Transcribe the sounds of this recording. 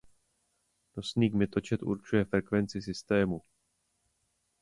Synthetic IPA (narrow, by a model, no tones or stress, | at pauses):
nosniːɡmɪt̪o̞t͡ʃɛt̪ʔṵɾt͡ʃujɛfɾɛkvɛnt͡sɪsɪst̪ɛːmu